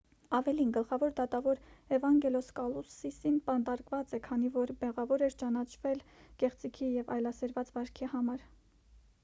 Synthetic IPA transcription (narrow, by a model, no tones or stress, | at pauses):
ɑvɛlinɡəlχɑvɔɾd̪ɑt̪ɑvɔɾɛvɑŋɡɛlɔskɑlusisinpɑnd̪ɑɾkvɑt͡sɛkʰɑnivɔɾbɛʁɑvɔɾɛɾt͡ʃɑnɑt͡ʃʰvɛlkɛχt͡sikʰijɛvɑ̰jlɑsɛɾvɑt͡svɑɾkʰihɑmɑɾ